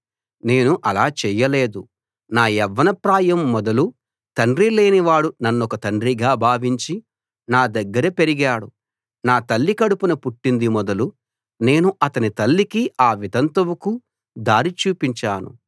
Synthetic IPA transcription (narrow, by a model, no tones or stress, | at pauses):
ne̞ːnuʔɐlaːt͡ʃɛːjːɐle̞ːd̪u | naːjɛʋːɐnɐpɾaːjɐmːɔd̪ɐlu | t̪ɐɳɖɾile̞ːniʋaːɽunɐnːɔkɐt̪ɐɳɖɾiɡaːbʱaːʋiɲt͡ʃi | naːd̪ɐɡːɐɾɐpeɾiɡaːɽu | naːt̪ɐlːikɐɽupunɐpuʈːind̪imɔd̪ɐlu | ne̞ːnuʔɐt̪ɐnit̪ɐlːikiaːʋid̪ɐnt̪ɐʋuku | d̪aːɾit͡ʃuːpiɲt͡ʃaːnṵ